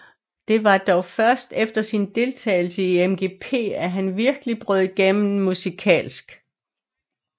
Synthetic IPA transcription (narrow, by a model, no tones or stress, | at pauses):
d̥e̝ʋɑ̈d̥ɒʊfɶɐsd̥efd̥ɐsind̥e̝lt͡sʰɛ̰ːɪl̩səiemɡ̥e̝ːpʰe̝̰ːæɦænʋiɐɡ̥əlib̥ʁœð̩ˠɡ̥em̰n̩musikʰɛ̰ːlsɡ̥